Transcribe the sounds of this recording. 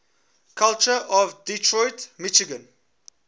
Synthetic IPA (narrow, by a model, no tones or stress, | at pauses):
kʰalt͡ʃəʔɔvditʰɹɔɪtmit͡ʃiɡə̃n